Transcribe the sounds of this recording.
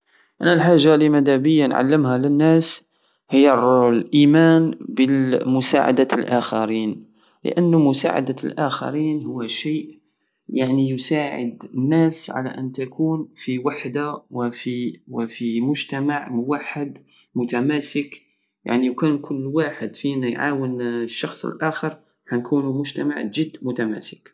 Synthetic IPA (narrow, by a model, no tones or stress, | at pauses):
ʔænælħaʒːalimæd̪æbəjːanʕa̰lːəmhælənːæːs | həjːarlʔimæːnbəmʊsa̰ʕa̰d̪alʔaxaɾiːn | lə̰ʔənːmʊsa̰ʕa̰d̪alʔaxa̰ɾiːnhʊwːæʃeːʔ | jaʕnijʊsaːʕə̰d̪ənːæːsʕa̰la̰ʔənt̪akʰuːnfiwaħd̪awɪfiwɪfimʊʒt̪amaʕmʊwaħːəd̪ | mʊt̪æmæːsɪk | ja̰ʕnijkuːnkʰʊlːwaːħəd̪finajʕa̰ːwənʃːɑxsˤə̰lʔaːxəɾˤ | ħankuːnumʊʒt̪ama̰ʕd͡ʒɪd̪ːmʊt̪amæ̰ːsɪ̥k